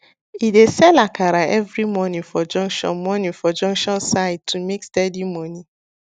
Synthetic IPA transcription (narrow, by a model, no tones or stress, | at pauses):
idesɛlakʰaɾaɛvɾimɔnĩnfɔd͡ʒɔ̃ŋkʃɔ̰̃nmɔnĩfɔd͡ʒɔ̃ŋkʃɔ̃nsaɪd̚tʰumekstɛdimɔnĩ